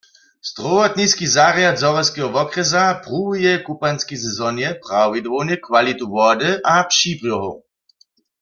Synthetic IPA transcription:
z̥d̪̥ʁɔʋɔt̪niskizaʁjad̪zɔʋɛskɛɦɔʋɔkʁɛzapʁujɛkupanskisɛzɔnjɛprawvid̪ʋownɛkʋalit̪uʋɔd̪ɨʔapʃiːpʁjɔɦow

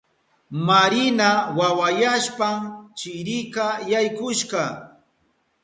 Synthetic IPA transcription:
maɾɪnawawajaʃpamt͡ʃɪɾɪkajajkʊʃɢɑ

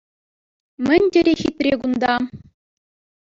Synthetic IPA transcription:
mʲɘ̆nʲdʲɘ̆ɾʲexʲit̪ʲrʲeɡund̪ɑ

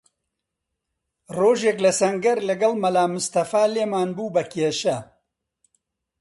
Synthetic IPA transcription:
roːʒeːklɐsɐŋɡɐɾlɐɡɐlmɐlaːmʊst̪ɐfaːleːmaːnbuːbɐkʰeːʃɐ

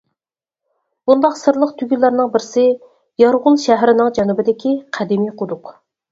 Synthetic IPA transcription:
b̥und̪ɑqsɨɾlˠəqt̪ʰyɡʲylːæɾnɨŋbɪɾsɪ | jɑɾʁʊlˠʃæɦɾɪnɪŋd͡ʒɛnubɪd̪ɪkʲʰiqʰæd̪ɪmijqʰʊd̪ʊq

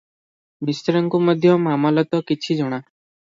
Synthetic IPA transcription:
mist̪ɾɔŋkumɔd̪ʱjɔmamɔlɔt̪ɔkit͡ʃʰid͡ʒɔɽ̃a

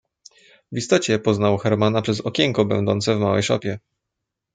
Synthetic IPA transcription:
vist̪ɔt͡ɕɛpɔznawxɛɾmanapʂɛzɔkʲɛŋkɔbɛ̰wnd̪ɔnt̪sɛvmawɛ̰jʂɔpʲjɛ

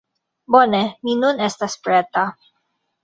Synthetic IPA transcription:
boneminunɛst̪aspɾɛt̪a

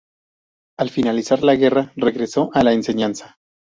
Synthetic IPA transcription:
alfinalisaɾlaɣe̞rare̞ɣɾe̞so̞ʔalaense̞ɲansḁ

